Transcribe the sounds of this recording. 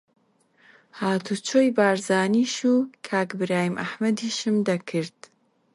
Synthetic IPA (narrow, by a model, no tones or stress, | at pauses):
haːt̪ʰut͡ʃʰoːjbaːɾzaːniːʃuːkʰaːkbɨɾaːjimʔɐħmɐd̪iʃɨmd̪ɐkʰɨɾd̪̥